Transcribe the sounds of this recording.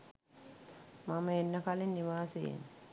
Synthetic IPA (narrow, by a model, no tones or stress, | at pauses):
maməenːəkalinːiʋaːseḛn